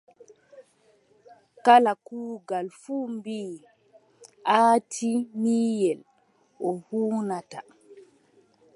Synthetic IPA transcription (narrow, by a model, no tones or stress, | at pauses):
kalakuːɡalfuːmbiː | ʔaːtʰimiːjɛl | ʔɔhuːnata